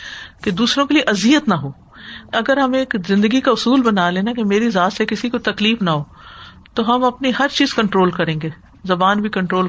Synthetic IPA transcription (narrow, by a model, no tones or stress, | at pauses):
ked̪uːsɾõkelieʔɐzijət̪nɐɦoː | ɐɡəɾɦɐmeːkzɪ̃nd̪əɡikaʊsuːlbɐnaːlẽːnakemeːɾizaːt̪sekɪsikot̪ɐkliːfnaɦoː | t̪oɦɐmɐpniɦɐɾt͡ʃiːz̥kɐ̃ɳʈɾoːlkɐɾẽːŋɡe | zɐbaːnbʱikɐ̃ɳʈɾoːl